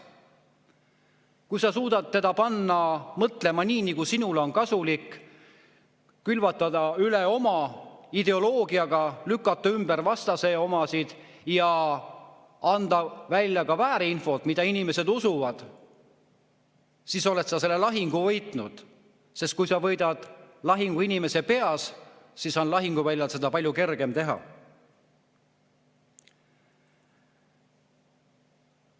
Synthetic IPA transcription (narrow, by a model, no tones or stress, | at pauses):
kujsɑsuːd̪̥ɑt̪̚t̪ːe̞d̪ɑpɑnːɑmɤt̪le̞mɑniːnikusinuleo̞nkɑsulik | ylvɑt̪ːˑɑd̪̥ɑyleo̞mɑid̪e̞o̞lo̞ːɡ̥iɑɡ̥ɑlykːˑɑt̪ːɑymb̥eɾvɑst̪ɑse̞ːo̞mɑsid̪̥ | jɑ | ɑnd̪̥ɑvælʲjɑkɑvæːɾeinfo̞t̪mid̪̥ɑinime̞se̞d̪usuvɑd̪̥ | siso̞le̞t̪sɑse̞lːe̞lɑɦiŋɡ̥uvɤjt̪ˑnud̪̥ | se̞st̪̚kujsɑvɤ̞jd̪̥ɑd̪̥lɑɦiŋɡ̥uinime̞se̞pe̞ɑssisɑnlɑɦiŋɡ̥uvælʲjɑlse̞d̪̥ɑpɑlʲjuke̞rɡ̥e̞mt̪e̞ɦɑ̰